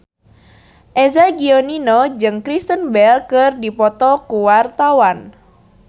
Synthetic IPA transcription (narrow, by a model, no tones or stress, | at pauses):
ʔezaɡioninɔd͡ʒɨŋkɾist̪ənbɛlkɨrdipɔt̪ɔkuwart̪awan